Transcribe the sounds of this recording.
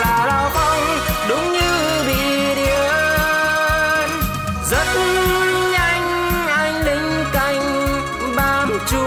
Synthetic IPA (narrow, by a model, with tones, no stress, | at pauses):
laː˨˩la˧˩fa˧wŋ͡m | ɗʊ˨˦ŋ͡mɲɨ˧ | ɓḭ˧˨ | ɗi˧˩ə | n | zə˦˥t̚ʔa˧jŋ̟ | ʔa˧jŋ̟ɗi˨˦ŋ̟ | ka˧˩jŋ̟ | ɓaː˧mo˨˩t̚t͡ɕu˧˦